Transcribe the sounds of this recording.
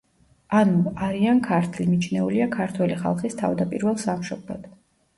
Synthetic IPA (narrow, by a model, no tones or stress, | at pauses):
anuaɾiankʰaɾt̪ʰlimit͡ʃʰnɛuliakʰaɾt̪ʰwɛliχa̰lˠχist̪ʰa̰vd̪apʼiɾvɛlˠsamʃɔblˠa̰d̪̥